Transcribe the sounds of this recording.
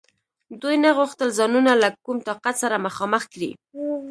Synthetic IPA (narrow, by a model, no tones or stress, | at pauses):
d̪ujnaɣuxt̪əlzɑnunalakumt̪ɑqat̪saɾamaxɑməxkɾḭ